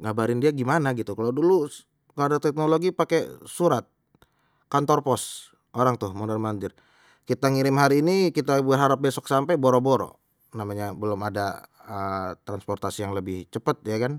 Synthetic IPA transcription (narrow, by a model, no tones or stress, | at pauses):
ɡabaɾɪndiaɡimanaɡit̪ukalawdulu | kaadat̪ɛk̚noloɡipakɛsuɾat̪̚ | kant̪ɔrpɔs | ʔoɾaŋt̪ʊhmunərmaɲd͡ʒɪr | kit̪aŋiɾɪmɦaɾiːnikit̪abuaɦaɾap̚bɛsɔksampajboɾɔboɾɔ̰ | namaɲabəlʊmada̰ | ət̪ɾanspɔrt̪asijaŋləbɪht͡ʃəpət̪̚jakan